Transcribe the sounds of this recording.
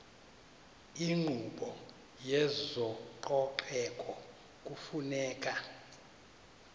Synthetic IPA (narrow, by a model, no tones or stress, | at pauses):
iŋ͡ǃʱuɓɔ | jɛzɔǃɔpʰɛkʼɔ | k̬ʼufunɛːkʼa